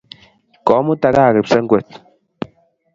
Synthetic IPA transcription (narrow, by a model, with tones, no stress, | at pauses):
kɔ˨˦mu˦ta˨˦ka˦˨ke˨psɛ˦ŋ̩˦ɡwɛ˨t